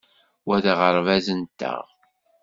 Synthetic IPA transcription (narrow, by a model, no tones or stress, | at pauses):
wæðʁəɾˤvæzənt̪ːə̰ʁ